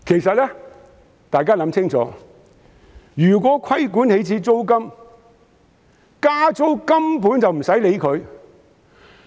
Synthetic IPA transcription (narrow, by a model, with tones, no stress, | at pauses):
kʰe˨˩jsɐ˨t̚lɛː˥ | t̪aː˨jk̬aː˥lɐ˨˥mt͡sʰɪ˥ŋt͡sʰɔ̰ː˨˥ | jyː˨˩k̬ʷɔː˨˥kʷʰɐ˥jkuː˨˥nhe˨˥jt͡sʰiː˧t͡so˥wkɐ˥m | kaː˥t͡so˥wkɐ˥mpuː˨˥nt͡sɐ˨wm̩˨˩sɐ˨˥jle˨˧jkʰɵ˨˧ɥ